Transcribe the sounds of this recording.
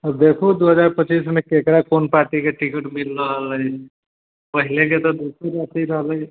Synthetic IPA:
d̪ekʰud̪uɦəd͡ʒaɾpət͡ʃismekekɾakonpaɾʈikeʈikiʈmilːəɦələj | pəɦilek̬et̪ɔd̪usəɾəsiɾəɦləj

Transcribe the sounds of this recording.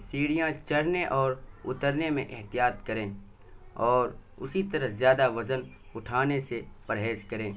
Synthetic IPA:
siːɽijãt͡ʃəɽneʔɔːɾʊt̪əɾnemḛ̃ʔɪɦt̪ijaːt̪kɐɾẽː | ɔːɾʊ̰sit̪əɾəɦzjaːd̪aʋɐzən | ʊʈʰaːnesepəɾɦeːskɐɾẽː

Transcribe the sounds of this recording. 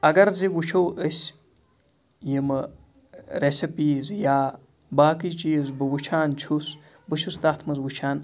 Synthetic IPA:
ɐɡɐɾziwut͡ʃʰɐwəsʲ | jɐmɐ | ɾesʲɐpiːzjaː | baːkit͡ʃijzbɨwut͡ʃʰaːnt͡ʃʰus | bɨt͡ʃʰust̪at̪ʰmɐzwut͡ʃʰaːn

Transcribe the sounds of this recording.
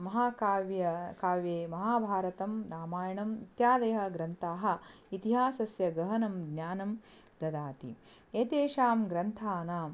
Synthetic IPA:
mɐɦaːkaːʋjɐkaːʋjeːmɐɦaːbʱaːɾɐt̪ɐmɾaːmaːjɐɳɐmit̪jaːd̪ɐjɐɦɐ̆ɡɾɐnt̪ʰaːɦɐ̆ | it̪iɦaːsɐsjɐɡɐɦɐnɐmɡ̪naːnɐm | d̪ɐd̪aːt̪ḭ | eːt̪eːʃaːmɡɾɐnt̪ʰaːnaːm

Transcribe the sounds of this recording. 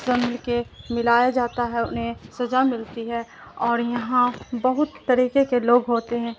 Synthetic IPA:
ɐmɪlkemɪlaːjad͡ʒaːt̪aɦɛʊ̰nɦẽsɐzamɪlt̪iɦɛɔːɾjɐɦãbɐɦʊt̪ːɐɾiːkekeloːɡɦoːt̪eɦɛ̃ː

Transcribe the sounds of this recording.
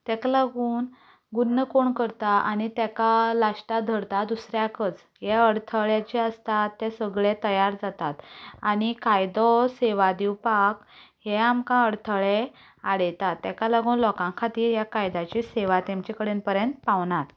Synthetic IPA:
t̪jɛkalaɡuːn | ɡunːəkoɳkəɾt̪aʔaɽ̃it̪jɛkalaʂʈad̪ʱəɾt̪ad̪usɾjakət͡s | ɦɛəɽt̪ʰəɭjat͡ɕɛəst̪at̪ːɛsəɡɭet̪əjaɾd͡zat̪at̪añikajd̪ɔseʋad̪iwpakɦɛamkãəɽt̪ʰəɭe | aɽɛt̪at̪ːɛkalaɡuːnlɔkãŋkʰat̪iːɾjakajd̪at͡ɕiseʋat̪ɛmt͡ɕɛkəɽenpəɾjənt̪paʋɳat̪

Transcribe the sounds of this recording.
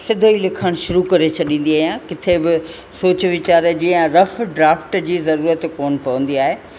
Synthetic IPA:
sɪd̪ʱoilɪkʰəɽ̃ʃʊɾukɐɾet͡ɕʰɐɗĩːn̆d̪iaːɦijãkɪt̪ʰebɪ | soːt͡ɕʋɪt͡ɕaːɾəd͡ʑiːə̃ɾɐfɖɾaːfʈd͡ʑiːzɐɾuːɾət̪koːnpɐʋə̃n̆d̪iaːɦeː

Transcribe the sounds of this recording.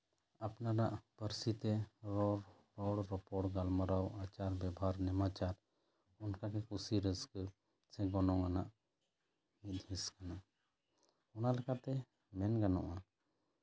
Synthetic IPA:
apnaɾaʔpəɾsit̪ɛɾɔɽ | ɾɔɽɾɔpɔɽɡalmaɾawat͡ʃaɾbjɛbaɾnɛmat͡ʃaɾ | ʊnkakekusiɾɪsk | sɛɡɔnɔ̃ɡanaʔ | mid̪ʱĩskanaʔ | ʊnalɛkat̪ɛ | mɛnɡanɔ̰ʔa

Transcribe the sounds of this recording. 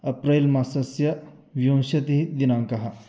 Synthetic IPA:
ɐpɾelmasɐsjɐ | ʋjõw̃ɕɐt̪iɦid̪inaŋkɐɦa

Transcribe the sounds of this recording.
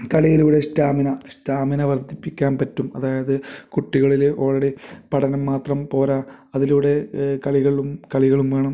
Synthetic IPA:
kɐɭijɐluːɽe̞staːminɐɕtaːminɐʋɐrd̪ʱipːikʲːaːnpɐtːumɐ̰ðaːjɐðɨkuʈːiɣɐɭilʔoːɭɐɽepɐʈʰɐnɐmːaːt̪rɐmpo̞ːɾaːɐðiluːɽe̞kɐɭiɣɐɭumkɐɭiɣɐɭumʋeːɳɐm

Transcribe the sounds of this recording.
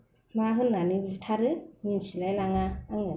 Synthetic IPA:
maɦɯnːanibɯtʰaɾɯninsilajlaŋaɯŋɯ

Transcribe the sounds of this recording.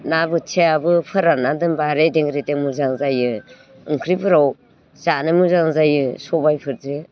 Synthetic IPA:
nabɯt͡ʃʰeabɯpʰɯɾanadɯnbaɾedeŋɡɾeteŋmuzaŋzajɯ | ɯŋkʰɾipʰɯɾaw | z̥anɯmɯzaŋzajɯsɔbajpʰɯɾzɯ

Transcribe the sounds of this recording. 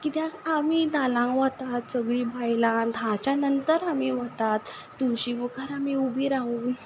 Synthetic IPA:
kit̪jãaminalãʋat̪at̪səɡɭiːbʱajlãd̪ʱãt͡ɕjanənt̪əɾamiʋat̪at̪ː | uɕiʋukaɾamiubʱiɾãũ

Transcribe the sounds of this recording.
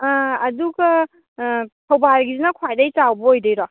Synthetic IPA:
duɡɐ | tʰɐwbaɾɡizinɐkʰwajdajt͡ʃawbɐojdejɾɔ

